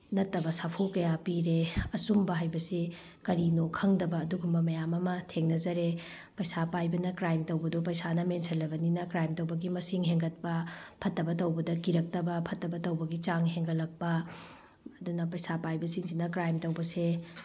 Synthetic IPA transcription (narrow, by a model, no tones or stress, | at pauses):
nɐtːɐbɐsapʰokɐjapiɾeɐsumbɐɦajbɐsi | kɐɾinokʰɐŋdɐbɐːduɡumbɐmɐjamɐmɐtʰeŋnɐzɐɾe | pɐjsapajbɐnɐkɾajmtɐwbɐdup̬ɐjsanɐmensʰɐlːɐbɐninɐkɾajmtɐwbɐɡimɐsiŋɦeŋɡɐt̚pɐpʰɐtːɐbɐtɐwbɐdɐkiɾɐk̚tɐbɐpʰɐtːɐbɐtɐwbɐɡit͡ʃaŋɦeŋɡɐlɐk̚pɐ | ɐdunɐpɐjsapajbɐsiŋd͡ʒinɐkɾajmtɐwbɐse